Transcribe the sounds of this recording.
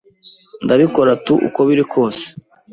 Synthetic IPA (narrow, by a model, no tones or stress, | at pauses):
ndaβiko̞ɾatuʔṵko̞βiɾikʰo̞ːse̥